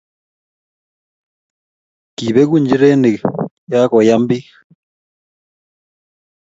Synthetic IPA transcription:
ki˨βɛ˦ku˦˨ɲd͡ʒi˦ɾe˦ne˨ | ja˦kɔ˨ja˦mbi˦

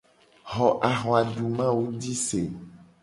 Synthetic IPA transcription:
ɦɔ˨ʔa˨ɦɔ˨a˨ɖu˨mã˦wo˦di˦se˨

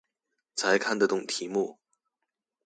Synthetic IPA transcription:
t͡sʰa˧˥ɪkʰa˥˩nd̪ə˨˩t̪ʊ˨˥˩ŋt̪ʰi˧˥mu˥˩

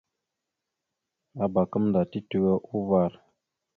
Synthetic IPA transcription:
a˨ba˨kə˦mnda˨ti˦tu˦ɡə˦ʔu˦va˦˨ɾ

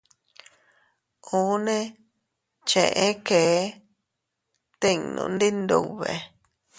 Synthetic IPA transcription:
u˨˦nẽ˦ | t͡ʃḛ̃˨ʔẽ˦keː˨˦ | t̪i˦nṵ̃˧nd̪i˦nd̪u˧βḛ˨

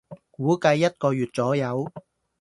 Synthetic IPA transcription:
kuː˨˥kɐ˧jːɐ˥t̚kɔː˧jyː˨˩t̚t͡sɔː˨˥jɐ˨˧w

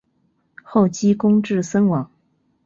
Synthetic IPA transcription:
xo˥˩ʊt͡ɕi˥kʊ˥ŋʈ͡ʂɻ̩˥˩sə˥nwɑ˨˥˦ŋ

